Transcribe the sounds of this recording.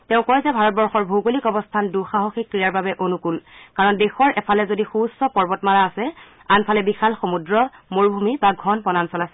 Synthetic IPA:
tɛʊ̃kɔjzɛbʱaɹɔt̚bɔɹxɔɹbʱoɡolikɔbɔstʰanduxaɦoxikɹijaɹbabɛʔonukulkaɹɔndexɔɹʔɛpʰalɛzodixusɔpɔɹbɔtmaɹaːsɛ | anpʰalɛbixalxomudɹɔmoɹbʱumibaɡʱɔnpɔnansɔlasɛ

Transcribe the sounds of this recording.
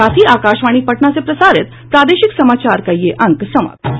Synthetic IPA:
at̪ʰiːakaɕʋaɽ̃ipəʈɳasepɾəsaɾet̪ | pɾad̪eɕiksəmat͡ɕaɾkajːeʔə̃ŋksəma̰t̪

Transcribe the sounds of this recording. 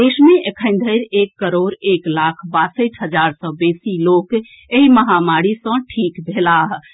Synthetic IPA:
d̪esmeʔekʰə̃ɪn̆d̪ʱəɾekːəɾoɾeklakʰbasəʈʰɦəd͡ʒaɾsə̃besilok | eɦiməɦamaɾisə̃ʈʰikbʱelaɦ

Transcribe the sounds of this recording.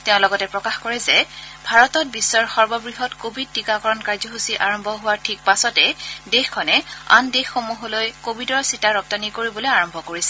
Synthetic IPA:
tɛʊ̃lɔɡɔtɛpɹɔkaxkɔɹɛzɛbʱaɹɔtɔt̚bisːɔɹxɔɹbɔbɹiɦɔtkobʱid̚ːikakɔɹɔnkaɹzɔɦusiʔaɹɔmbʱɔɦʊwaɹtʰik̚pasɔtɛdexkʰɔnɛa̰ndexːomuɦolojkobʱidɔɹsitaɹɔp̚tanikoɹibɔlojaɹɔmbʱɔkoɹisɛ̥

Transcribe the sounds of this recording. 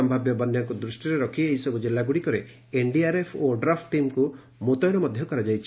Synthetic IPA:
ɔmbʱabjɔbɔnjaŋkud̪ɾusʈiɾeɾɔkʰieɦisɔbud͡ʒelaɡuɽikɔɾe | eɳɖiaɾepʰoɖɾapʈʈimku | mot̪ɔjɾɔmɔd̪ʱjɔkɔɾad͡ʒajt͡ʃʰi

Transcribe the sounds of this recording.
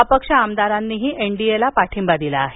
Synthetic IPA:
apəkʂəamd̪aɾanːiːɦiːʔeɳɖielapaʈʰimbad̪ilaːɦe

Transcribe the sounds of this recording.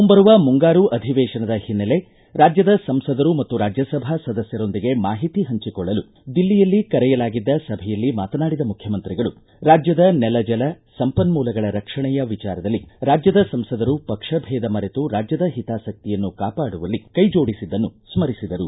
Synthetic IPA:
umbɐɾuʋɐmuŋɡaːɾuʔɐd̪ʱiʋɛːʂɐnɐd̪ɐhinːɐle̞ | ɾaːd͡ʒjɐd̪ɐsɐmsɐd̪ɐɾumɐt̪ːuɾaːd͡ʒjɐsɐbʱasɐd̪ɐsjɐɾo̞nd̪iɡe̞maːɦit̪iɦɐɲt͡ʃikɔɭːɐlu | d̪ilːijɐlːikɐɾɛjɐlaːɡid̪ːɐsɐbʱɛjɐlːima̰ːt̪ɐnaːɽid̪ɐmukʰjɐmɐnt̪ɾiɡɐɭu | ɾaːd͡ʒjɐd̪ɐnɛlɐd͡ʒɐlɐsɐmpɐnmuːlɐɡɐɭɐɾɐkʂɐɳɛjɐʋit͡ʃaːɾɐd̪ɐlːiɾaːd͡ʒjɐd̪ɐsɐmsɐd̪ɐɾupɐkʂɐbʱɛːd̪ɐmɐɾet̪uɾaːd͡ʒjɐd̪ɐɦit̪aːsɐk̚t̪ijɐnːukaːpaːɽuʋɐlːikɐjd͡ʒo̞ːɽisid̪ːɐnːusmɐɾisid̪ɐɾu

